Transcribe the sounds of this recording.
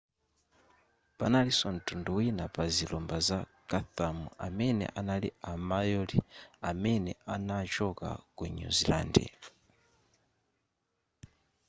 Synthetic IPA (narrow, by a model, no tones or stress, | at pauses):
panalisɔn̩tunduwinapazilɔmbazakaθamuamɛnɛ̰ʔanalḭamajɔliamɛnɛanat͡ʃɔka̰kuɲṵzila̰ːndḭ